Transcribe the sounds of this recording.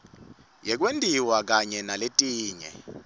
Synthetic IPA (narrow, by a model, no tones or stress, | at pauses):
jɛk̬wendʱiwak̬aɲɛnaletʼiːɲɛ̰